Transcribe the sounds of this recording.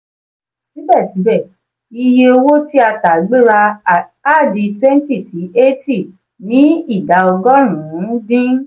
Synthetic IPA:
ʃi˨˦bɛ˦˨ti˨˦bɛ˦˨ | i˧je˧o˧wo˦ti˦a˧ta˨ɡ͡be˦ɾa˧a˦˨di˧twɛ̃˦n˦ti˦˨si˨˦e˦ti˦˨ | nĩ˨˦i˦˨da˨˧ɔ˧ɡɔ˦ɾ̃ũ˨˦dĩ˦

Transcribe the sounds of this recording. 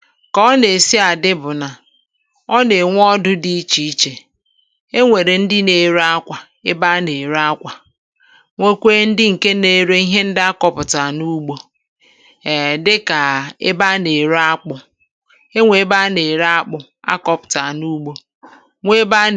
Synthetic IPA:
kɔ˦ne˨si˦a˨dɪ˦bʊ˨na˨ | ɔ˦ne˨ŋʷ˦ɔ˦dʊ˦di˦i˦t͡ʃi˦i˦t͡ʃe˨ | e˦ŋʷe˨ɾe˨n̩˦dɪ˦ne˨ɾa˦kʷa˨ | e˦ba˦ne˨ɾa˦kʷa˨ | ŋʷe˦kʷe˦n̩˦dɪ˦ŋ̩˨ke˦ne˨ɾe˦i˦ɦe˦n̩˦dɪ˦a˦kɔ˦pʊ˨ta˨nu˦ɡ͡bo˦˨ | dɪ˦ka˨ḛ˦ba˦ne˨ɾa˦k͡pʊ˦ | e˦ŋʷe˨e˦ba˦ne˨ɾa˦k͡pʊ˨ | a̰˦kɔ˨pʊ̥˨ta˨nu˦ɡ͡bo˦ | ŋʷe˦ba˦

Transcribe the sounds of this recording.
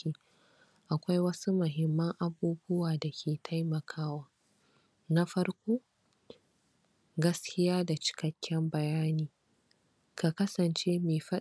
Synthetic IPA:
iː˦ | ʔa˨kʷa˦jwɐ˦su˦mʊ˨ɦɪ˨mːɐ˦ŋʔa˨buː˦bʊ˦waː˨da˨kʲʰeː˨tʰa˦jmɐ˨kʰaː˦waː˦ | na˦ɸɐ˦rkʷoː˦ | ɡɐ˦skʲɪ˦jaː˦da˨t͡ʃɪ̥˨kɐ˦kʲːɛ˦mbɐ˨jaː˦niː˨ | ka˨kɐ˦sɐ˨nt͡ʃeː˦meː˨ɸɐ˦

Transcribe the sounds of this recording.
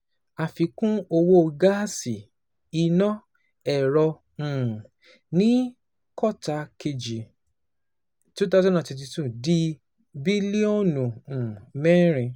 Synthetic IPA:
a˨fi˧kũ˦o˧wo˦˧ɡa˦si˨ | i˧nɔ̃˦ | ɛ˨ɾɔ˧ | ũ˨ | nĩ˦ | kɔ˦ta˧ke˧d͡ʒi˨ | tu˦t̬a˦˨zã˦˨ã˨tɛ˧t̬i˧tu˦˨di˧ | bi˦li˦o˦˨nũ˨ũ˨mɛ̃˦ɾ̃ĩ˨˧

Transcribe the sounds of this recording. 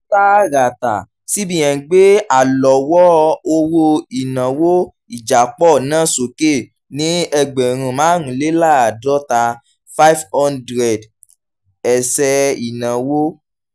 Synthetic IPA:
ta˦ɾa˨ta˨ | si˦bĩ˦˨j̃ã˨ɡ͡be˦a˦˨lɔ˨wɔ˦˧o˧wo˧i˨nã˨wo˦ | i˨d͡ʒa˨k͡pɔ˦˨nãː˦˨so˨ke˦˨ | nĩ˦ɛ˧ɡ͡be˨ɾ̃ũ˧˨mãː˨˦ɾũ˨˦le˦la˦˨a˨dɔ˦ta˧ | fa˦i˦fɔ˦ndɾɛ˨d | ɛ˨sɛ˧i˨nã˨wo˦

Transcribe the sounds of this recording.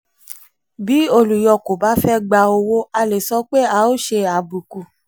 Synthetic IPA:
bi˨˦o˧lu˨jɔ˧ko˨ba˨˦fɛ˦ɡ͡ba˧o˧wo˦a˧le˨sɔ˨˦k͡pe˦a˧˦o˦ʃe˧a˨bu˨ku˨

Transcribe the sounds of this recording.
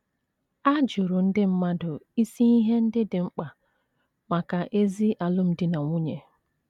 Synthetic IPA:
a˦d͡ʒʊ˨ɾʊ˨n̩˦dɪ˦m̩˦ma˦dʊ˨i˦si˦i˦ɦe˦n̩˦dɪ˦dɪ˨ŋ͡m̩˦k͡pa˨ | ma˨ka˨ʔe˦zi˦ʔa˨lʊ˦m̩˦dɪ˦na˨ŋʷu˦ɲe˨

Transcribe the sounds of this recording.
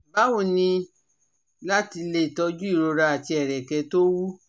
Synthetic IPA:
ba˨˦wo˦˨nĩ˧ | la˦ti˧le˦˨tɔ˧d͡ʒu˦i˦˨ɾo˧ɾa˧a˨ti˧ɛ˨ɾɛ˨kɛ˨˦to˦wu˦

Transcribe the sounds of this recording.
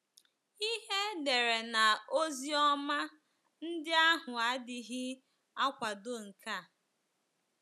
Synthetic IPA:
i˦ɦe˦de˨ɾe˨na˨o˦zi˦ɔ˦ma˦ | n̩˦dɪ˦a˦ɦʊ˨a˨˦dɪ˨ɦɪ˦ | a˦kʷa˨do˦ŋ̩˨kʰa˦˨

